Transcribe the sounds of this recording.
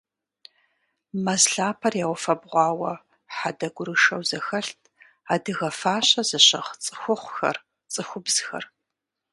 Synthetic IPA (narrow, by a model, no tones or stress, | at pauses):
mɐzɬaːpʰɐrjaːwʷɔfɐbʁʷɑːwɐ | ħadɐɡʷʊɾɨʂɐwzɐxɐɬtʰ | aːdɨɣɐfaːɕɐzɨɕɐ̰ʁt͡sʼɨ̥xʷʊχʷxɐ̰r | t͡sʼɨxʷʊbz̥xɐ̰r